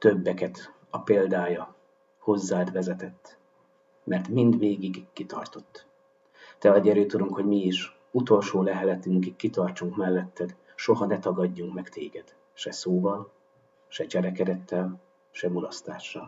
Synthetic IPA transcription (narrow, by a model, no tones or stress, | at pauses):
t̪ø̞bːɛkɛt̪ | ɒpeːld̪aːjɒ | ho̞zːaːt̪ʋɛzɛt̪ɛt̪ː | mʔɛrt̪mind̪ʋeːɡiɡkit̪ɒ̰rt̪o̞t̪ː | t̪ɛɒɟɛɾøːt̪uɾuŋkho̞ɟmiiʃ | ut̪o̞lʃoːlɛɦɛlɛt̪yŋkikːit̪ɒrt͡ʃuŋkmɛlːɛt̪ːɛd̪ | ʃo̞ɦɒnɛt̪ɒɡɒɟːuŋkmɛkt̪eːɡɛd̪̥ | ʃɛsoːvɒl | ʃɛt͡ʃɛɾɛkɛɾɛt̪ːɛl | ʃɛmulɒst̪aːʃːɒ̰l